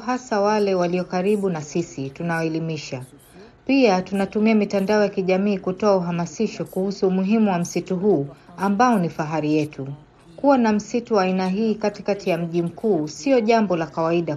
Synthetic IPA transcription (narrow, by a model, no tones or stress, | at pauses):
ɦasawalɛwaliɔkaɾiɓunasisitunawaɛlimiʃa | piatunatumiamitandaɔjakiʄamiːkutɔauɦamasiʃɔkuhusuːmuɦimuwam̩situɦuːambaɔnifaɦaɾijɛtʰu | kuwanam̩situwaːinaɦiːkatikatijam̩ʄim̩kuːsiɔʄambɔlakawaiɗa